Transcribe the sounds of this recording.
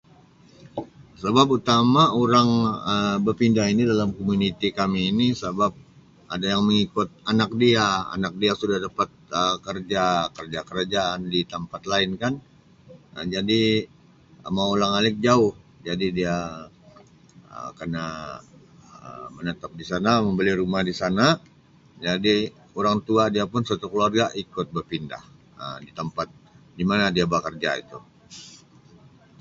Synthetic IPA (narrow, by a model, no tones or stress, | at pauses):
səbap̬ut̪amaoɾaŋəbərpindaɦinidalamkomunit̪ikamiːnisəbap̚ | ʔadajaŋməŋikʊt̪̚anak̚diaa̰nak̚diasudahdapat̪̚əkərd͡ʒakərd͡ʒakəɾad͡ʒaandit̪əmpat̪laɪnkan | əd͡ʒadi | əmaulaŋalɪk̚d͡ʒaʊhd͡ʒadidia | ə̰kərna | ə̰mənət̪ap̚disanaməmbəliɾumahdisana | d͡ʒadi | oɾaŋt̪uadiapʊnsat̪ukəluarɡaʔikʊt̪̚bərpinda̰h | ədit̪əmpat̪̚ | dimanadiabakərd͡ʒa̰ḭt̪u